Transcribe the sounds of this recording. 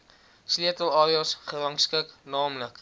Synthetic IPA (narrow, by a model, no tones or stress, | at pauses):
sliət̪əlˠɑːɾjɔsχəɾɑŋskəknɑːmlək